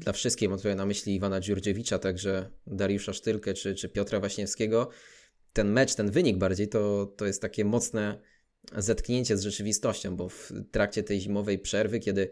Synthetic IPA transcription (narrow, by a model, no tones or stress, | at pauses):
d̪lafʂɨst̪kʲijmamt̪uɾɛnamɘɕlʲiːvanad͡ʑuɾd͡ʑɛvʲit͡ʂat̪aɡʐɛd̪aɾjuʂaʂt̪ɘlkɛt͡ʂɘt͡ʂɘpʲjɔt̪ɾavaɕɲɛfskʲɛɡɔ | t̪ɛnmɛt͡ʂt̪ɛnvɘɲiɡbaɾd͡ʑejt̪ɔt̪ɔjɛst̪ːakʲɛmɔt̪snɛ | zat̪kɲeɲt͡ɕɛzʐɛt͡ʂɘvʲist̪ɔɕt͡ɕɔ̃w̃bɔft̪ɾakt͡ɕɛt̪ɛjʑimɔvɛjpʂɛɾvɘkʲɛd̪ɘ